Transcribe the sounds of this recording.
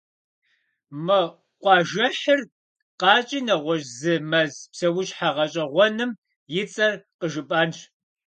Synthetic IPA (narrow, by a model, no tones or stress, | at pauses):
mɨ | qʷɑːʒɐħɨr | qɑːt͡ʃʼiːnɐʁʷɔʒzɨmɐzpsɐwʊʒħaʁɐɕʼɐʁʷɔnɨm | jɪt͡sʼɐrqəʒɨpʼaːnʃ